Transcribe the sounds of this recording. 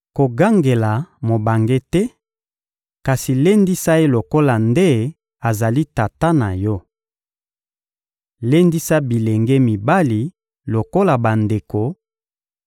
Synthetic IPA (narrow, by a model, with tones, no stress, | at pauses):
ko˨ɡa˦ŋɡe˨la˨mo˨ba˨ŋɡe˦tɛ˦ | ka˨si˨le˦ndi˦sa˦e˦lo˨ko˦la˨nde˦ | a˨za˨li˦ta˨ta˦na˨jɔ˦ | le˦ndi˦sa˦bi˨le˨ŋɡe˦mi˨ba˦li˨ | lo˨ko˦la˨ba˨nde˨ko˨